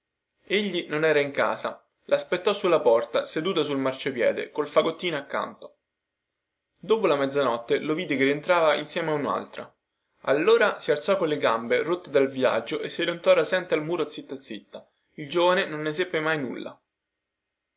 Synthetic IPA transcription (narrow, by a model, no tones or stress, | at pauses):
eʎːinonɛːɾaiŋka̰ːza̰ | lʔaspet̪ːɔsulːapɔrt̪ased̪uːt̪asulmart͡ʃopjɛ̰ːd̪ḛkolfaɡot̪ːiːnoakːa̰nt̪o̥ | d̪oːpolamɛd̪zːanɔt̪ːeloviːd̪ekerient̪ɾaːvainsjɛːmeauna̰lt̪ɾa̰ | a̰lːoːɾasialt̪sɔkːonleɡamberot̪ːed̪alvia̰d͡ʒːoʔesːilont̪ɔɾasɛnt̪ealmuːɾoat̪sːit̪ːat̪sːit̪ːa | ild͡ʒoːvanenonːesepːemajnṵlːa̰